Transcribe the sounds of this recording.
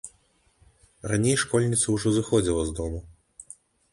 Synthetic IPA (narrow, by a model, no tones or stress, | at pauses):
ranʲejʂkɔlʲnʲit̪sɐwʐɔzɨxɔd͡zʲilˠɐzd̪ɔmu